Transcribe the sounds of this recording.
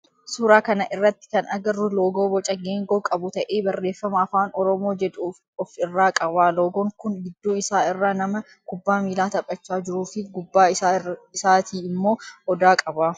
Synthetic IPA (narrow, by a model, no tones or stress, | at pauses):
suːɾaːkɐnɐʔɪrːɐt̪ːɪ̥kɐnɐɡɐrʊloːɡoːbɔt͡ʃʼɐɡeːŋɡoːkʼɐbʊt̪ɐʔe̞ːbɐrːe̞ːfːɐmɐɐfaːnɔɾɔmo̞ːd͡ʒɛd̪uː | ɔfɪrːaːkʼɐbaːloːɡɔŋkʊnɡɪd̪ːuːɪsaːɪrːaːnɐmɐ | kʊbːaːmiːlaːt̪ɐpʼːɐt͡ʃːaːd͡ʒɪɾuːfɪɡʊbːaːɪɪsaːt̪ʰiːɪmːo̞ːʔɔd̪aːkʼɐbaː